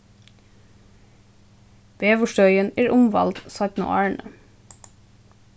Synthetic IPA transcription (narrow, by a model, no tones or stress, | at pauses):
b̥eːʋʊʃtœʏəneːɹʔʊmʋɑ̰lt̪sɑt̪nʊ̰ʔɑːɹɳə